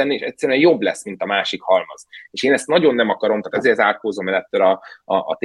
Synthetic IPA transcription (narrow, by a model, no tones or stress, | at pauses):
ɛnːieːʃɛcʲsːɛɾyɛnjo̞bːlɛsmint̪ɒmaːʃikhɒlmɒ̰zeːʃeːnɛst̪nɒɟo̞nːɛmɒkɒɾo̞mt̪at̪ɛzeːɾzaːlkoːzoːmɛlɛt̪ːøɾɒɒ̰ːt̪